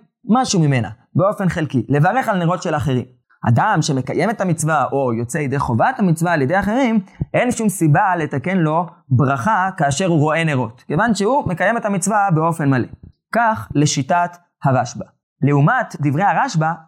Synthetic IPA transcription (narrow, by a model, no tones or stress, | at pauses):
maʃumime̞na̰ | beo̞fe̞nχelkile̞vaʁe̞χalneʁo̞tʃe̞laχe̞ʁḭm | ha̰damʃe̞me̞kaje̞met̪hamit͡svaʔo̞jo̞t͡seljede̞jχo̞vat̪hamit͡svaːljed̪ejaχe̞ʁimʔe̞nʃumsibale̞t̪ake̞nlo̞bʁaχakaːʃe̞ʁuʁo̞e̞neʁo̞t̪kevanʃeumekaje̞me̞t̪hamit͡svabeo̞fe̞nmale̞ | kaχle̞ʃitat̪ | haʁaʃba | le̞umat̪d̪ivʁejhaʁaʃba